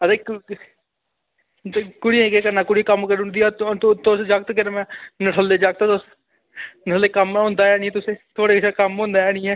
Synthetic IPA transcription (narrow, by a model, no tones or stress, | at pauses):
əd̪eːk | kʊɽiẽkeːkəɾnãːkʊɽikəmkəɾʊnd̪iːaːt̪t̪osd͡ʒək̚t̪kɪɾmɛ̃ːnəʈʰəld̪eːd͡ʒək̚t̪ːt̪os | nəʈʰəleːkəmɦʊ̃ːnd̪aːɛːnĩːt̪ʊsẽːt̪ʰoːɽeːkt͡ʃʰaːkəmɦõːnd̪aːɛːnĩːɛː